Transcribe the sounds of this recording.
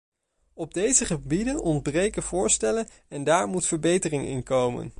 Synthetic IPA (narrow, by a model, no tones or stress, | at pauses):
ɔb̚dejzəχəbidənɔndbrejkəv̥ʊːɹstɛlən | ɛndaːɹmutfəɹbejtərɪŋɪ̰nkowmə̰n